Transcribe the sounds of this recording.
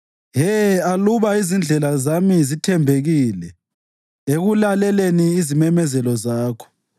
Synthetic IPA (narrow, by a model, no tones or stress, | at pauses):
ɦɛaluβaizind͡ɮʱɛlazamizitʰɛmbʱeɣiːlɛ | eɣulalɛleniːzimɛmɛzɛlɔzaːkʰɔ̥